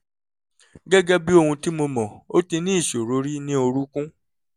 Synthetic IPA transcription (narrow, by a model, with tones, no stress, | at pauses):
ɡɛ˦ɡɛ˦bi˦o˧hũ˧ti˦mo˧mɔ̃˨o˦ti˧nĩ˦i˦˨ʃo˨ɾo˨˦ɾi˦nĩ˦o˧ɾu˦kũ˦